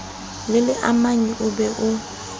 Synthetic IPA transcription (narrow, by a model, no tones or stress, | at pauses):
lɪlɪʔamaɲiʔʊbɛʔʊ